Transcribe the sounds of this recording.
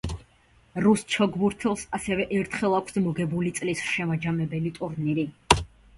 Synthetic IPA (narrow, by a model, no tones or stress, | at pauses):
ɾust͡ʃʰɔɡbuɾt̪ʰɛlˠsasɛvɛʔɛɾt̪ʰχɛlˠakʷʰsmɔɡɛbulit̪sʼlisʃɛmad͡ʒamɛbɛlit̪ʼuɾniɾi